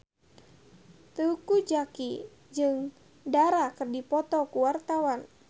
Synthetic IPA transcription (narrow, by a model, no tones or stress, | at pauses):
t̪uukud͡ʒaki | d͡ʒɨŋ | daɾakɨrdipɔt̪ɔkuwart̪awan